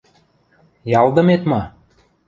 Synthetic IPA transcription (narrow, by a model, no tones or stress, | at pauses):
jɑld̪ə̆met̪mɑ